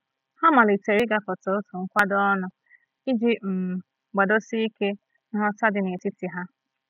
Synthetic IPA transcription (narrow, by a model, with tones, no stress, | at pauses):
ha˦ma˨li˨te˨ɾi˦ɡa˨fɔ˨to˨˦tʊ˨ŋ̩˦kʷa˦dɔ˦nʊ˨ | i˦d͡ʒi˦m̩˨ | ɡ͡ba˨do˦si˦i˦ke˦ | n̩˦ɔ˦ta˦dɪ˨ne˨ti˦ti˨ɦa˦